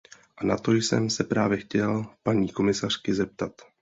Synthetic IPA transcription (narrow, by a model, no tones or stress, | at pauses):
ʔanat̪o̞jsɛ̰msɛpɾaːvjɛxcɛlpaɲiːko̞mɪsar̝̥kɪzɛp̚t̪at̪